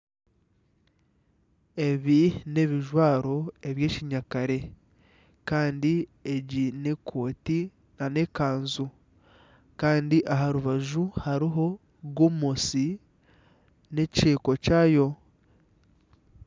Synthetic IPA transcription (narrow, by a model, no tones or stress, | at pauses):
e̞βine̞βiʒwaːɾo̞e̞βje̞ːciɲakaɾe̞ | kaːndieɟine̞kʰoːti | nane̞kaːnzu | kaːndiʔaɦaɾuβaʒuhaɾiɦo̞ | ɡomosi | ne̞ct͡ʃeːko̞caːjo̞